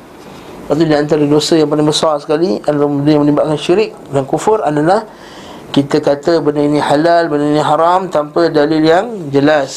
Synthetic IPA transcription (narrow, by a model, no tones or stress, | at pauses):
paʔt̪udiant̪aɾədosəjaŋpalɪŋbəsarsə̥kaliadalabəndəjaŋmə̃libat̪̚kanʃiɾɪk̚dankufʊɾadalah | kit̪əkat̪əbənəinĩhalalbənəinĩɦaɾamt̪ampədalɪljaŋd͡ʒəlas